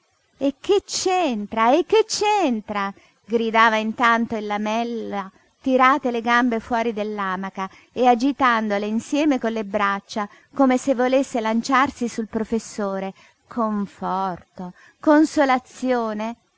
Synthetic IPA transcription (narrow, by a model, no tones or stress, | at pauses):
ek̟ːet͡ʃːent̪ɾaekːet͡ʃːent̪ɾa | ɡɾid̪aːvaint̪ant̪oilːamɛlːa | t̪iɾaːt̪eleɡambefwɔːɾid̪elːaːmaka | ead͡ʒit̪and̪oleinsjɛːmekolːebɾat͡ʃːa | komesevːolesːelant͡ʃarsisulpɾofesːoːɾe | kʰoɱfɔrt̪o | konsolat̪sːjoːne